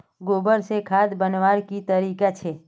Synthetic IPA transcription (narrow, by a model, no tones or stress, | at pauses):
ɡoːbəɾsekʰaːd̪bənʋaːɾkit̪əɾiːkat͡ʃʰeː